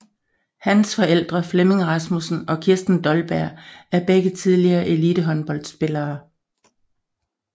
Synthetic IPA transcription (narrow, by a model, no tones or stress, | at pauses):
hænsfɒ̽el̰d̥ʁɐfleme̝ŋʁɑsmusn̩ɒ̽kʰiɐsd̥n̩d̥ɒ̽lb̥æɐ̰æɐb̥eɡ̥ət͡sʰiðˠliɐːʔe̝liːd̥əɦɒ̽nb̥ɒ̽l̰d̥sb̥e̝lɐː